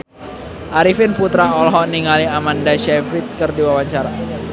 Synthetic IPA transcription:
ʔaɾifɪnput̪ɾaɔlɦɔniŋaliamandaʃɛfit̪̚kərdiwawaɲt͡ʃaɾa

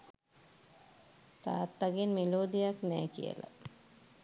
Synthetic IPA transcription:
t̪a̰t̪ːaɡinmiloːd̪ijaknɛːkḭjḛla̰

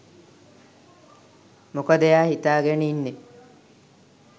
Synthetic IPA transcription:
mokəd̪əjaːhit̪aːɡeninːe

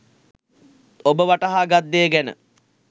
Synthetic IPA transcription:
obəʋaʈɐɦaːɡat̪ːeːɡɛnə̰

